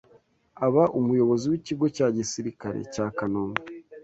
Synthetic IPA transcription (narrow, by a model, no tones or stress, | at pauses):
aβaʔumujo̞βo̞ziwiciɡo̞caːɟisiɾikaɾḛcaːkanoːmɡa